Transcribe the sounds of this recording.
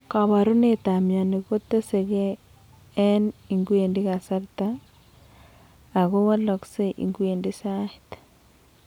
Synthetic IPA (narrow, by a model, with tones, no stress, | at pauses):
ka˨βa˨ɾu˦ne˦t̪a˨mja˨ni˨ko˦tːe˦se˨ɣeː˦ | ni˨ŋɡu˦e˨ndi˦ɣa˨sa˦rta˦˨ | ɣo˦wa˦lɔ˨kse˦ʔḭ˨ŋɡu˦e˨ndi˦sa˦i˨t